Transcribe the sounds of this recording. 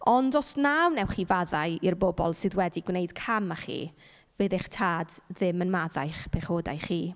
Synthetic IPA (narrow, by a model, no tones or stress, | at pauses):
ɔndɔsnawnɛwχivaðajirbɔbɔ̰lˠsɨðwɛdiɡwnejd̥kʰamaχḭː | veðeχtʰaːdðɪmənmaðajχpʰɛχoda̰jχiː